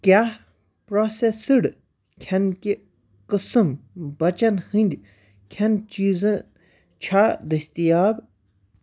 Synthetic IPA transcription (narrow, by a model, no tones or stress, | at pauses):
kʲja | pɾoːsesɨɽ | kʲʰɐnkʲi | kɨsɨmbɐt͡ʃɐnhɨnʲd̪ʲ | kʲʰɐnt͡ʃiːzɐn | t͡ʃʰad̪ɐsʲt̪ijaːb